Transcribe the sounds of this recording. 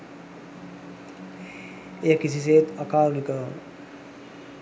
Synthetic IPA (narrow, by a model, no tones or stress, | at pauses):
ekːisis̬eːt̪əkaːɾunikə